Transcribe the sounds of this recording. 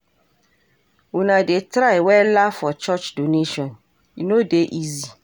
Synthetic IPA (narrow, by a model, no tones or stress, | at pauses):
unãdetɾaewɛlafɔt͡ʃɔt͡ʃdoneʃɔ̃n | inodeʔizi